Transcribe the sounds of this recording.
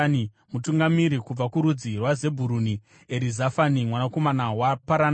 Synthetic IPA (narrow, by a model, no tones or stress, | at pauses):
n | mutuŋɡamiɾikub͡vakuɾud͡zirwaze̞bʱuɾuni | eɾizafanimwanako̞manawapaɾan